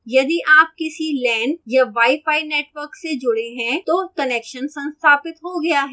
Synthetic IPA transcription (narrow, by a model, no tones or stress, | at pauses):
jɐd̪iʔaːp̚kɪsilɛ̃ːɳɖjaʋaːifaːineːʈʋəɾksed͡ʒʊɽeɦɛ̃t̪okɐneːkʃənsɐ̃nst̪ʰaːpɪt̪ɦoɡɐjaɦɛː